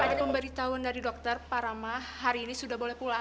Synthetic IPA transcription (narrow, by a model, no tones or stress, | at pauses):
adaəmbəɾit̪awʊndaɾidɔk̚t̪ərpaɾamahaɾiːnisudahbolɛhpula